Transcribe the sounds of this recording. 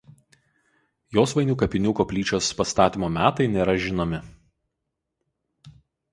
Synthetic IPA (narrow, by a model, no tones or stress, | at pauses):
joːsʋɐɪnʲuːkɐpʲɪnʲuːkoːpʲlʲiːt͡ʃʲoːspɐst̪ɑːt̪ʲiːmoːmʲæːt̪ɐɪnʲeːɾɐʒʲɪnoːmʲɪ